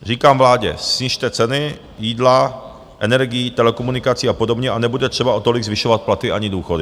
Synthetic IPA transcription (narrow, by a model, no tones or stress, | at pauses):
riːkaːmvlaːɟɛ̰sɲiʃt̪ɛt͡sɛnɪ | jiːdla | ʔɛnɛɾɡɪjiːt̪ɛlɛkomunɪkat͡siːapo̞dobɲɛʔanɛbudɛt̪r̥ɛbao̞t̪o̞lɪɡzvɪʃovat̪̚plat̪ɪʔaɲɪduːxodɪ